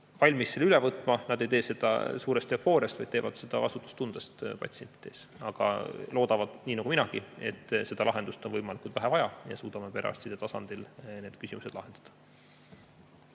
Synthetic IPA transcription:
vɑlʲmisːelylɛvɤt̪ːˑmɑnɑd̪ejt̪e̞ːse̞d̪̥ɑ̰suːɾest̪ːeofo̞ːɾjɑst̪vɑ̰jd̥̪̚t̪eːvɑd̪̥se̞d̪̥ɑvɑsut̪ːˑu̥st̪und̪̥est̪pɑ̰t̪sie̞nʲt̪ːˑi̥d̪̥e̞̰sɑɡ̥ɑ̰lo̞ːd̪̥ɑvɑd̪̥niːnɑɡ̥uminɑɡ̥ie̞̰t̪ːse̞d̪ɑlʔɑɦe̞nd̪ust̪o̞nvɤjmɑlikˑult̪væɦævɑjɑjɑ̰suːd̪̥ɑmepeɾʔɑ̰st̪sid̪̥et̪ɑsɑnd̪̥ilne̞ːd̪̥kysimuse̥lɑ̰ɦe̞nd̪̥ɑ̥d̪̥ɑ̥

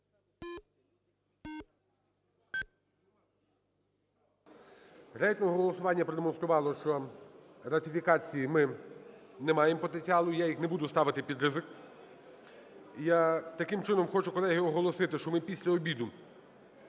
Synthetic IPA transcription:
ɾɛjt̪nɔɦɔɦɦɔlˠɔsʊʋɑnʲːɐpɾɔd̪emɔnst̪ɾʊʋɑlˠɔʃt͡ʃɔ | ɾɐt̪ʲɪfʲikɑt͡sʲijimɪ | nɛmɑjempɔt̪enʲt͡sʲiɑlˠʊijajixnebud̪ʊst̪ɑʋɪt̪ɪpʲid̪ɾɪzɪk | jat̪ɐkɪmt͡ʃɪnɔmxɔt͡ʃʊkɔlˠɛɦɪɔɦɔlˠɔsɪt̪ɪʃt͡ʃɔmɪpʲisʲlʲɐɔbʲid̪ʊ

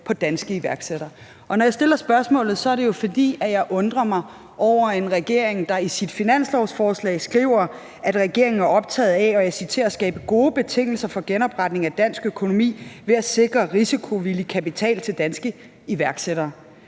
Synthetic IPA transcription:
pʰɒ̽d̥ænsɡ̥əiʋæɐɡ̥seɾ̥ɐː | ʔɒ̽nɒjɑɪsd̥e̝lɐsb̥ɶɐsmɔ̰ːlð̩ˠsɒ̽æɐɾe̝jo̝fɒ̽d̥ḭːæjɑ̈ɪʔɔ̽nd̥ʁɐmɑ̈ɪ | ʔɒʊ̰ɐe̝nʁɛɡ̥e̝ɐ̰eŋd̥ɑ̈isid̥finæn̰slɒʊsfɒːslɛ̰ːsɡ̥ʁḭʊ̰ɐ | ʔæd̥ʁɛɡ̥e̝ɐ̰eŋn̩æɐɒ̽b̥̚t͡sʰɛ̰ːð̩ˠɛɒ̽jasit͡sʰe̝ɐæsɡ̥ɛ̰ːb̥əɡ̥o̝ːb̥e̝t͡sʰe̝ŋ̰l̩sɐfɒ̽ɡ̥enɒ̽b̥ʁɑ̈d̥ne̝ŋæd̥æn̰sɡ̥økʰo̝no̝mḭːʋe̝æse̝ɡ̥ʁɐʁisikʰo̝ʋilikʰæpit͡sʰɛ̰ːlt͡sʰe̝ld̥ænsɡ̥ə | iʋæɐɡ̥seɾɐː

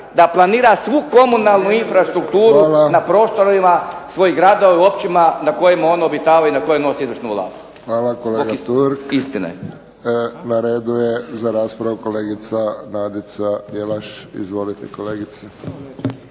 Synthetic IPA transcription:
d̪aplˠaniːɾasʋuko̞munalˠnuinfɾast̪ɾuk̚t̪uːɾulanapɾo̞ːst̪oɾimasʋo̞jiɡɾaːd̪oʋaiuo̞p̚t͡ɕimanakojemao̞naobit̪aːʋainako̞jeno̞siizʋəɾʃnuʋlˠa̰ːst̪uxʋaːlakoleɡat̪uɾkist̪ina̰ | naɾeːd̪ujezaɾaːspɾaʋukoleːɡit̪sanaːd̪it̪sad̪jelaʃḭzʋo̞lit̪ekoleːɡit̪se

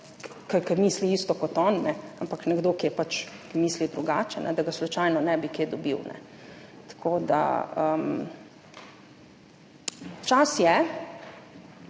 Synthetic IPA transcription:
kəɾkəmiːsliiːst̪ɔkɔt̪ɔːnːɛampaknɛɡd̪oːkijɛpat͡ʃkmiːslid̪ɾuɡaːt͡ʃɛnʔɛ̰d̪aɡaslut͡ʃajnɔnɛbikeːd̪ɔbḭwnʔɛ̰ | t̪kʰoːd̪a̰əm | t͡ʃasjɛ

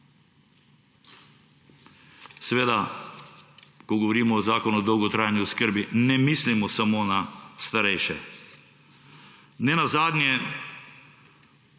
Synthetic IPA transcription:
sɛʋeːd̪a | kɔɡɔʋɔɾiːmɔːzaːkɔnuːd̪ɔwɡɔt̪ɾajanjuskəɾbinɛmislimɔsamonast̪aɾɛjʃɛ | nɛnazaːd̪njɛ

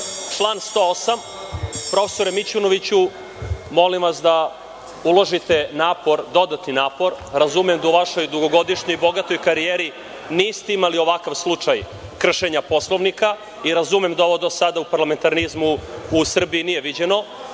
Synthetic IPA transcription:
t͡ʃlˠaːnst̪oosam | pɾo̞fe̥so̞ɾemit͡ɕuno̞ʋit͡ɕu | mo̞limʋasd̪a | ulo̞ʒit̪e̞naːpo̞ɾd̪o̞d̪at̪ninaːpo̞ɾ | ɾazumemd̪auʋaʃo̞jd̪uɡo̞ɡo̞d̪iʃɲojbo̞ɡat̪o̞jkaɾijeːɾi | niːst̪eimalio̞ʋakaʋslˠut͡ʂaj | kr̩ʃe̞ɲapo̞slˠo̞ʋnika | iɾazumemd̪ao̞ʋod̪osad̪aupaɾlame̞nt̪aɾnizmuusr̩biinije̞ʋid͡ʑe̞no̞

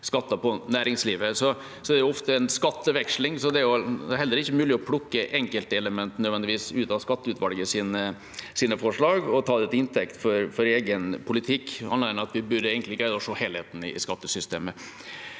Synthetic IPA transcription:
skɑt̪ːɑpɔnæːɾɪŋsliːʋəsɔ | sɔd̪ɛæɾjʊɔft̪əɛnskɑt̪ːəʋɛkʂlɪŋsɔd̪ɛæɾjʊd̪ɛɾɦɛlːəɾɪçːəmʉːlɪɔpʰlʊkːəʔɛŋkəlt̪əɛləmɛnt̪nœd̪ɛnd̪ɪʋiːsʉːt̪ɑskɑt̪ːəʉt̪ʋɑlɡəsiːnə | siːnəfɔʂɭɑːɡɔt̪ʰɑːd̪ɛt̪ʰɪɪnt̪ʰɛkt̪fɔɾfɔɾeːɡənpʰʊlɪt̪ʰɪkːɑ̰nɾnɑt̪ʋɪbʉɾeːɡəŋt̪ɪɡɾæɪd̪ɑɔʂoːheːlhḛːt̪n̩ɪ̰ɪskɑt̪ːəsʏst̪ḛːmə

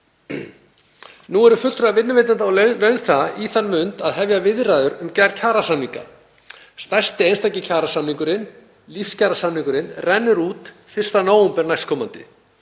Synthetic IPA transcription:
nuɛɾʏfʏl̥t̪ɾaðvɪnːʏveːt̪ant̪aɔllœɥnθaiθanːmʏnt̪aðɦɛvjavɪðraːðʏɾʏmcaɾcʰaːɾasanːiŋka̰ | st̪ajst̪ɪejnst̪ajcɪcʰaːɾasanːiŋkʏɾɪn | lifscʰaːɾasanːiŋkʏɾɪnrɛnːʏɾuːt̪ | fɪr̥st̪anaːwʏmpɛɾnajskʰɔːmant̪ɪ̰

